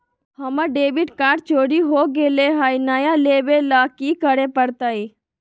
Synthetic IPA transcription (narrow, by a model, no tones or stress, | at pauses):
hɐməɖeːbɪʈkaːɖt͡ʃoːɾiɦoːɡeːleɦaːjnaːjaleːʋelaːkikəɾepəɾt̪ae